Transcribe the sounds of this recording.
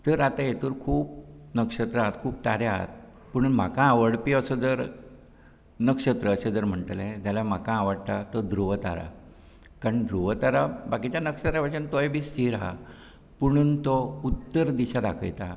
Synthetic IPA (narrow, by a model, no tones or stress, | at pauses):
t̪əɾat̪ajet̪uːɾkʰuːp̚nəkʂət̪ɾəat̪kʰuːp̚t̪aɾjaɦt̪̚ | puɽ̃unm̤akãːʋəɽpiəsəd͡zəɾ | nəkʂət̪ɾəːɕed͡zəɾm̤əɳʈəlẽt̪jalam̤akãːʋəɽt̪at̪ɔd̪ɾuʋət̪a̰ɾa̰ | kaɾɳd̪ɾuʋət̪aɾabakit͡ɕjanəkʂət̪ɾapaənt̪ojbiːst̪ʰiɾa̰ | puɽ̃uːnt̪ɔut̪ːəɾd̪iɕad̪a̰kʰə̰jt̪a